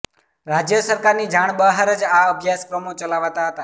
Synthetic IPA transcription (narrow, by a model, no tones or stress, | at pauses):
ɾad͡ʒjəsəɾkaɾnid͡ʒaɳ̃bəɦaɾəd͡ʒaəbʱjaskɾəmot͡ʃəlaʋt̪aɦət̪a